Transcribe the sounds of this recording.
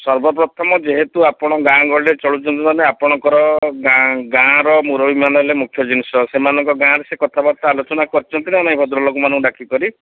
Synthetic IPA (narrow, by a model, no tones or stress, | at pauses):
sɔɾbɔp̬ɾɔt̪ʰɔmɔd͡ʒeɦet̪uapɔɽ̃ɔɡãɡɔɭet͡ʃɔɭut͡ʃʰɔnt̪it̪aneapɔɽ̃ɔŋkɔɾɔɡãɡãɾɔmuɾɔbimanɦlemukʰjɔd͡ʒinisɔsemanɔŋkɔɡãɾesekɔt̪ʰabaɾt̪ɔalot͡ʃɔnakɔɾit͡ʃʰɔnt̪inianaĩbʱɔd̪ɾɔlɔkumanɔ̃kɖakikɔɾi